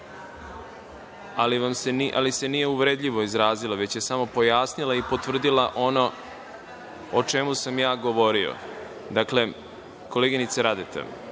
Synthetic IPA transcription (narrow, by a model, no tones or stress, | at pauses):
aliʋamseniʔa̰lise̞nije̞uʋɾed̪ʎiʋo̞izɾaːziloʋe̞t͡ɕje̞samo̞po̞jaːsnilˠaipo̞t̪ʋvr̩d̪ilaʔo̞no̞ | ot͡ʃe̞musamjaːɡo̞ʋo̞ɾio̰ | d̪akle̞ | ko̞leɡinit̪seɾad̪et̪ḛ